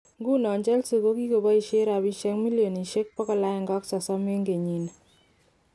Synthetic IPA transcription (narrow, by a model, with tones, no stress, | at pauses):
ŋɡu˦nɔ˨ɲd͡ʒɛ˦lso˨ko˦ki˦ko˨bɔ˦i˨ʃe˦ɾa˨bi˦ʃɛ˦kmi˦ljo˨ni˨ʃe˦k̚pɔ˦kɔ˨la˦ɪ˨ŋɡɔ˦ksɔ˨sɔ˦me˦ŋɡe˨ɲi˨n˨